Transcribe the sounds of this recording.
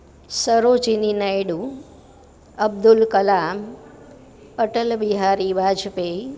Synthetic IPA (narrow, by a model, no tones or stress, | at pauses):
səɾot͡ʃininajɖu | əb̚d̪ʊlkəlam | əʈəlbiɦaɾibaːd͡ʒpe